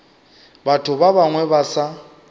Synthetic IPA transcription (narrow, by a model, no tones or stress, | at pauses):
batʰʊbaβaŋwɛβasa